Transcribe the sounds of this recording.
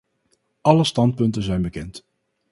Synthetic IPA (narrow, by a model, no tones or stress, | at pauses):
ʔɑləstɑnt̚pɵntənzɛjnbəkɛnt